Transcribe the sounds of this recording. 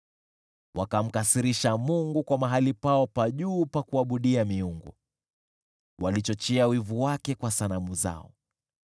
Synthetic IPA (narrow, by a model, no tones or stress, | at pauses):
wakam̩kasiɾiʃamuŋɡukwamaɦalipaɔpaʄuːpakuaɓuɗiamiuŋɡṵ | walit͡ʃɔt͡ʃɛawivuwakɛkwasanamuza̰ɔ̰